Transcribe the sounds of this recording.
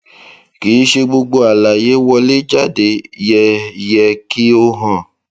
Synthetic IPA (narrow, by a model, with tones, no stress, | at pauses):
ki˨˦ʃe˧ɡ͡bo˧ɡ͡bo˧a˨la˨je˨˦wɔ˧le˦d͡ʒa˦˨de˧˨jɛ˧˨jɛ˧ki˦o˧ɦã˨